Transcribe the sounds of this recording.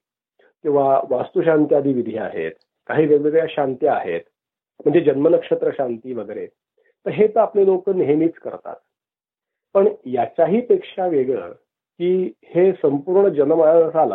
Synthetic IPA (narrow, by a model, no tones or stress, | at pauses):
kĩw̃ʋaʋast̪uɕ̬ant̪jad̪iːʋid̪ʱia̰ɦḛt̪ | kaɦiːʋəɡɭjaɕant̪jəaɦḛt̪ | m̤əɳd͡zed͡ʑənmənəkʂət̪ɾəɕant̪iːʋəɡəɾe | t̪ːəɾɦet̪əaplelokəniɦeniːt͡skə̰ɾt̪a̰t̪̚ | pəɳjat͡ɕjaɦiːpekʂaʋeɡɭə̰ | kiːhesəmpuːɾɳəd͡ʑənəmaaəsala̰